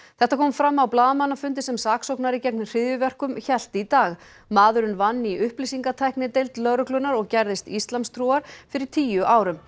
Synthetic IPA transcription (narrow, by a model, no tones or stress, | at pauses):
θɛht̪akʰɔːmfɾamːawplaːðamanːafʏnt̪ɪsɛmsaːksowknaɾicɛknr̥ɪðjʏvɛr̥kʏmçɛl̥t̪it̪aːɣ | maːðʏɾɪnvanːiʔʏhplisiŋkat̪ʰajhknɪt̪ejlt̪lœɣɾʏklʏnaɾɔɣcɛɾðɪst̪ist̪lanst̪ʰɾuaɾ̥fɪɾɪɾ̥t̪ʰiːjʏʔaːwɾʏm